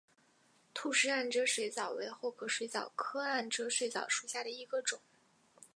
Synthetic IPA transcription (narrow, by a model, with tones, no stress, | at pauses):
t̪ʰu˥˩ʂɻ̩˥a˥˩nʈ͡ʂɤ˥ʂwe˧˥ɪt͡sɑ˨˩ʊwe˧˥ɪxo˥˩kʰɤ˧˥ʂwe˧˥ɪt͡sɑ˨˩ʊkʰɤ˥a˥˩nʈ͡ʂɤ˥ʂwe˧˥ɪt͡sɑ˨˩ʊʂu˨˩ɕja˥˩ɾə˩i˧˥ɡə˧ʈ͡ʂʊ˨˩˦ŋ